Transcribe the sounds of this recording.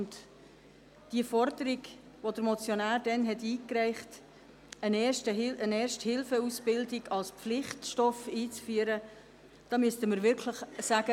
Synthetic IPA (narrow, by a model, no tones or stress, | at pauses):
ʊnt | d̥iəfɔɾdəɾiɡ | ʋod̪əɾmɔt͡sjonæːrdɛnɦɛtiːkrɛɪχt | ənɛʃtəənɛːrʃthɪlfəusb̥ɪldɪɡɑlspflɪχtʃtɔfiːt͡sfyəɾə | d̥ɑːmyəstəməɾʋɪɾkʰləχsæɡə